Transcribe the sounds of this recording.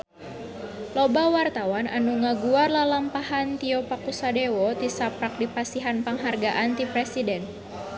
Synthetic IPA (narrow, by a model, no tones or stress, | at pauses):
lɔbawart̪awanʔanuŋaɡuarlalampahant̪iɔpakusadɛwɔt̪isapɾak̚dipasiɦanpəŋɦarɡaʔant̪ipɾɛsidɛn